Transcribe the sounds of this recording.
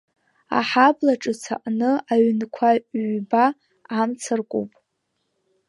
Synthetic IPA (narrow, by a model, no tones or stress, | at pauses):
a̰ħablaʈ͡ʂʼɨt͡sʰa̰ʔʼnɨaɥnkʷʰaɥbaː | mt͡sʰarkʷʼṵpʼ